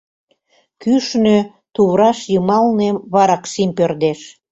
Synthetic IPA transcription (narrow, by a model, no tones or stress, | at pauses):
kyʃnø | t̪uβɾɑʃjəmɑlnemβɑɾɑkʃimpørd̪eʃ